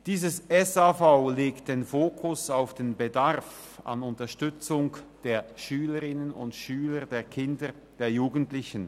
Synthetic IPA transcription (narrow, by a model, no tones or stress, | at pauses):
d̥iːzəsɛsafaʊleːktd̥eːnfoːkʰʊsaʊfd̥eːnbedaʁf | a̰nʊntɐʃtʏt͡sʊŋd̥eːɐʃyːləʁɪnənʊ̰ntʃyːlədeːɐkʰɪndə | d̥eːɐjuːɡən̩tlɪçən̩